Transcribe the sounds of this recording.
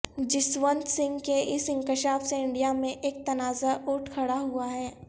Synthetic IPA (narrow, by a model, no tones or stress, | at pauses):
d͡ʒɪsʋə̃nt̪sɪ̃ŋɡkeʔɪsɪ̃ŋkɪʃaːfseɪ̃ɳɖijamẽʔeːk̚t̪ɐnaːzaʔʊːʈʰkʰɐɽaɦuaɦɛː